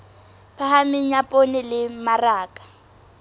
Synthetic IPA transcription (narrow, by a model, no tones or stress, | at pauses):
pʰaɦamɪɲapʼonɪlɪmaraːkʼḁ